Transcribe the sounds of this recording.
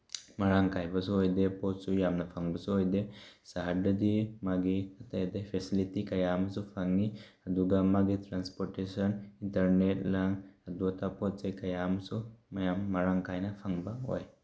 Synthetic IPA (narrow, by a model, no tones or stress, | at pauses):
mɐɭaŋkajbɐs̬uojd̪eposujamnafʰaŋbɐsuojd̪esaɦaɖəd̪imaɡiɐt̪aed̪efʰesilitikɐjamsufaŋi | ɐd̪uɡamːaɡit̪ɾanspoɾʈesəninʈəɾneʈlaŋɐd̪uɐt̪apɔt͡sɐjkɐjamsumɐjamɐɾaŋkajnafʰaŋbaɦo̰j